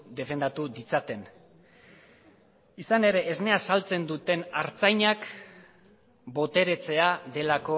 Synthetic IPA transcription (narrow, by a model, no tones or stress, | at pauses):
d̪e̞fe̞nd̪at̪uðit͡sat̪e̞n | isane̞ɾe̞ʔːzne̞asalt͡se̞nd̪ut̪e̞naɾt͡sajɲak | bo̞t̪e̞ɾe̞t͡se̞aðe̞lako̞